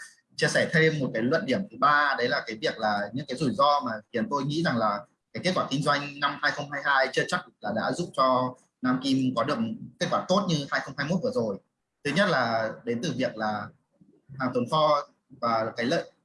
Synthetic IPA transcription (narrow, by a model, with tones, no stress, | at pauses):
t͡ɕi˧əsɛ˧˩t̪ʰe˧mːo˨˩kaː˨˦jlwə̰˧˨nɗi˧˩əmt̪ʰɨ˨˦ɓaː˧ɗə˨˦jlaː˨˩kaː˨˦jvi˨˩ək̚laː˨˩ɲɨ̰˧˥ŋkaː˨˦jzu˧˩jzɔ˧maː˨˩xi˨˦ənt̪o˧jŋḭ˧˥za˨˩ŋlaː˨˩ | ka˨˦jke˦˥t̚kwaː˧˩kï˧ŋ̟zwa˧jŋ̟na˧mhaː˧jxə˧wŋ͡mhaː˧jɦaː˧jt͡ɕɨ˧t͡ɕa˦˥k̚laː˨˩ɗa̰ː˧˥zʊ̰˧˨ŋ͡mt͡ɕɔ˧ | naː˧mki˧mkɔ˨˦ɗɨ˨˩ək̚ke˦˥t̚kwaː˧˩t̪o˦˥t̚ɲɨ˧haː˧jxə˧wŋ͡mhaː˧jmo˦˥t̚vɨ˨˩əzo˨˩j | t̪ʰɨ˨˦ɲə˦˥t̚laː˨˩ɗe˨˦nt̪ɨ˨˩vi˨˩ək̚laː˨˩ | haː˨˩t̪ʰə˨˦ŋ͡mt̪ʰɔ˧ | vaː˨˩˨kaː˨˦jlə̰ː˧˨j